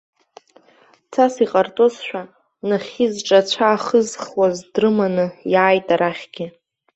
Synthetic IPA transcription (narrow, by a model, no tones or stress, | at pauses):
t͡sʰasiqʼart͡sʼozʃʷᶣa | naχʲizʈ͡ʂʼat͡ɕʷʰaːχəzχwazdrɨmanɨjaːjtʼaɾaχʲɡʲɪ